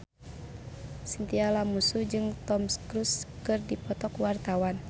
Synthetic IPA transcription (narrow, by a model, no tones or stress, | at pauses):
sint̪ialamusud͡ʒɨŋt̪ɔmskɾuskɨrdipɔt̪ɔkwart̪awan